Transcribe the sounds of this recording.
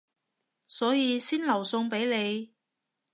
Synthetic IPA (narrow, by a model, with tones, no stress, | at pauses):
sɔː˨˥jiː˨˧siː˥nlɐ˨˩wsʊ˧ŋpe˨˥jle˨˧j